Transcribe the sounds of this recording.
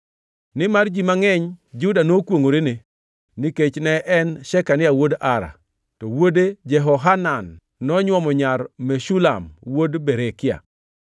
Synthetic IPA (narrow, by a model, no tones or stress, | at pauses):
nɪmard͡ʒimaŋɛɲd͡ʒudanokwoŋoɾene | niket͡ʃnɛʔɛnʃɛkanɪawodaɾa̰ | tɔwoded͡ʒɛɦɔɦananː | ɔɲwɔmɔɲaɾmeʃula̰mwodbeɾekɪa̰